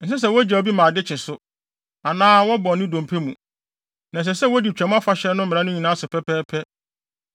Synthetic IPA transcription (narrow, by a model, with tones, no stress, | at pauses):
n̩˦s̬ɪ˦s̬ɛ˨wɔ˦d͡ʑɛ˨o˨˦bi˦mãː˨dɪ˦t͡ɕʰɪ̃˨sʊ˦ | a˨nãː˦wɔ˦bɔ̃˨nɪ̃˦dõ˨m˨pʰe˦mũ˨ | nã˨s̬ɛ˨sɛ˦wɔ˦di˨t͡ɕᶣɛ˨˦m̃˦a˦fa˦ɕɛ˦nʊ̃˦m̩˦mɪ̃˨ã˦nʊ̃˦ɲĩ˨nã˦sʊ˨pʰɛ˦pʰɛː˦pʰɛ˦